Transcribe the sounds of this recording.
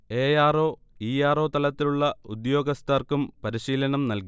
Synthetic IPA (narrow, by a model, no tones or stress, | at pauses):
e̞ːjaːro̞ː | iːjaːro̞ːt̪ɐlɐt̪ːiluɭːɐud̪jo̞ːɡɐst̪aːrkumpɐɾiɕiːlɐnɐmnɐlki